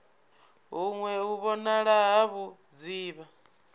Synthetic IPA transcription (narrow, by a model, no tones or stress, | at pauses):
ɦuŋwɛuβɔnaɺaɦaβu | d͡ziːβa